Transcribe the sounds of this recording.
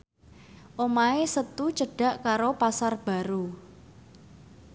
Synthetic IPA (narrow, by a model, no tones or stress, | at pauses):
ʔomaesət̪ut͡ʃəɖ̥a̤ʔkaɾopasarb̥a̤ɾu